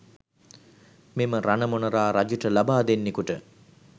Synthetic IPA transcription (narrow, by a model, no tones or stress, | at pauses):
miməɾanəmonəɾaːɾad͡ʒuʈəlabaːd̪enːekuʈə